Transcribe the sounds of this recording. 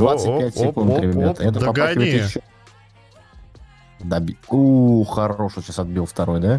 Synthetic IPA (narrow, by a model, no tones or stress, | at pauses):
d̪vat̪sɨt̚pʲæt̚ʲsʲɪkund̪ɾʲɪmʲɪbʲat̪əɛt̪əpɐpaɪvəjt̪jɪɕːo | d̪abʲiuxɐɾoʂoɕasɐd̪̚bʲilˠft̪ɐɾo̞jd̪a